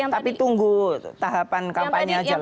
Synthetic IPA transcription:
t̪apit̪uŋɡut̪aɦapankapaɲad͡ʒa

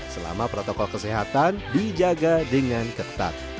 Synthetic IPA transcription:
səla̰mapɾot̪okɔlkəsiɦat̪andid͡ʒaɡadəŋankət̪a̰t̪̚

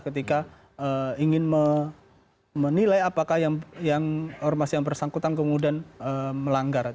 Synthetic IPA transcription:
kət̪ika | əiŋɪnmə | mənilajapakahjaŋjaŋɔrmasjaŋbərsaŋkut̪ankəmudianəməlaŋɡar

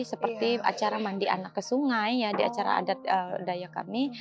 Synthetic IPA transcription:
səpərt̪ia̰t͡ʃaɾamandiʔa̰nakːəsuŋajːadia̰t͡ʃaɾa̰a̰dat̪̚ədajaka̰mi

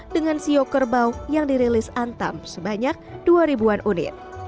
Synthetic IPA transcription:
dəŋansiokərbawjaŋdiɾilɪsant̪a̰msəbaɲak̚duaɾibuanʔunɪ̰t̪̚

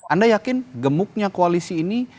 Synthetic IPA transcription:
andajakɪnɡəmʊk̚ɲakoalisiːni

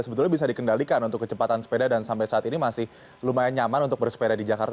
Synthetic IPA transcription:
səbət̪ʊlɲabisadikəndalikanunt̪ʊkːət͡ʃəpat̪ansə̥pedadansampajsaat̪inimasɪh | lumaaɲamanunt̪ʊk̚bərsə̥pedadid͡ʒaka̰rt̪

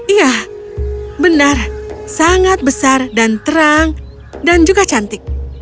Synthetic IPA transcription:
ijah | bənarsaŋat̪̚bəsardant̪əɾaŋ | dand͡ʒuɡat͡ʃant̪ɪk̚

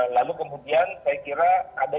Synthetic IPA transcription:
lalukəmudiansajakiɾaːda

